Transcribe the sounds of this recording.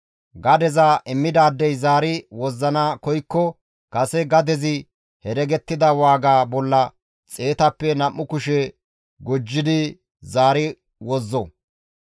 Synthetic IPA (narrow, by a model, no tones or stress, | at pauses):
ɡɐd̪ɛzaʔɪmːɪd̪aːd̪ːɛjzaːɾɪwɔzːɐnakɔjkːɔ | kɐsɛɡɐd̪ɛzɪ | hɛɾɛɡɛt̪ːɪd̪ɐwaːɡaːbɔlːɐ | t͡sʼe̞ːt̪ɐpːɛnɐmːʊkʊʃɛ | ɡʊd͡ʒːɪd̪ɪ | zaːɾɪ | wɔzːɔ